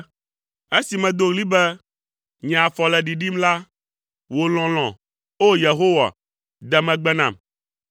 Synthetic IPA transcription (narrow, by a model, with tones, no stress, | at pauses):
e˦si˨mɛ̃˨d̪o˦ɣli˦bɛ˦ | ɲɛ̃˨a˨fɔ˨lɛ˨ɖi˨ɖi˦mla˦ | wo˨l̃ɔ̃˨l̃ɔ̃˨ | o˦je˨ɦo˦wa̰˨ | d̪ɛ˨mɛ̃˨ɡ͡bɛ˦nã̰˨m